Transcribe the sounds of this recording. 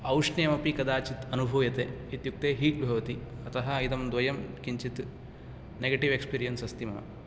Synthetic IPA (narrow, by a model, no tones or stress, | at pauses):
ɐwʂnɐjɐmɐpikɐd̪aːt͡ʃit̪ɐnubʱɐːʋjɐt̪eː | it̪juk̚t̪eːɦiːʈ̪̚bʱɐʋɐt̪i | ɐt̪ɐɦɐɐjid̪ɐmd̪ʋɐjɐmkiɲt͡ʃit̪ | neɡɐʈiʋekspiːɾijɐnsɐst̪imɐ̰ɐ̰